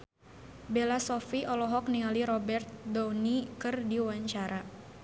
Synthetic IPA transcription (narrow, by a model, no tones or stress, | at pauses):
belasɔfiʔɔlɔɦɔk̚niŋaliɾɔbɛrt̪̚dɔwnikɨrdiwaɲt͡ʃaɾa